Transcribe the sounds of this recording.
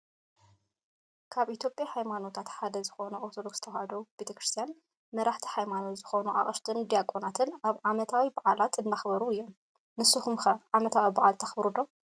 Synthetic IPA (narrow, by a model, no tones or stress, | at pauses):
kʰaβʔit̪ʰjo̞pʼjaħajmano̞t̪ʰat̪ħad̪ɐzɨxo̞nɐʔoɾt̪ʰod̪o̞ksɨ̥t̪ʰɐwhɐd̪ɐwb̥e̞t̪ʰɐkɾɨst̪ʰijan | mɐɾaħt̪ʰi̥ħajmano̞t̪zɨxo̞nuʔa̰χʼɐʃt̪ʰʼɨnd̪ijakʼonat̪ʰɨnaβʕamɐt̪ʰawibaʕalat̪ɨnːaxbɐɾuɨjːom | nɨsɨxumxɐʕamɐt̪ʰawibaʕalt̪ʰɐxbɾud̪o̞